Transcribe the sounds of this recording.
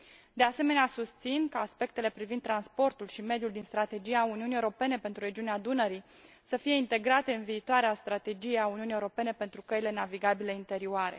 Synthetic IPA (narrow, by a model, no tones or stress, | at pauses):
d̪e̞ase̞me̞neasust̪sinkaːspe̞k̚t̪e̞le̞pɾivind̪ːɾanspo̞rt̪ulʃime̞d̪juld̪inst̪ɾat̪e̞d͡ʒijauniunijewɾo̞pe̞ne̞pe̞nt̪ɾuɾe̞d͡ʒiunead̪unəɾi | səfije̞int̪e̞ɡɾat̪e̞ɨnviːt̪oaɾeast̪ɾat̪e̞d͡ʒijeauniunijewuɾo̞pe̞ne̞pe̞nt̪ɾukəile̞naviɡabile̞int̪e̞ɾioaɾe̞̰